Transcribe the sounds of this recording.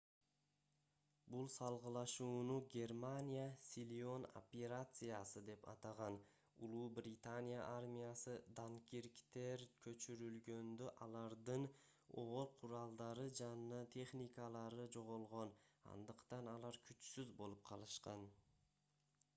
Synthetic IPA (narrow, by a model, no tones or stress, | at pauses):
bulˠsɑlˠʁɯlˠɑʃuːnuɡʲe̞rmanʲijasʲilʲo̞no̰pʲeɾat̪sɨjasɯd̪e̞pɑ̰t̪ɑʁɑn | ṵlˠuːbrʲɪt̪anʲija̰ʔarmʲijasɯd̪aŋkʲiɾkt̪e̞ɾkʰø̞t͡ʃyɾylɡø̞nd̪øʔɑlˠɑɾd̪ɯn | o̞̰ʁoɾˠqʰuɾɑlˠd̪ɑɾɯd͡ʒɑnnɯt̪ʰe̞χnʲikəlˠɑɾɯd͡ʒo̞ʁolˠʁo̞nɑ̰nd̪ɯqt̪ɑnɑlˠɑɾkʲʰyt͡ʃsyzbo̞lˠup̚qʰɑlˠɯʃqɑn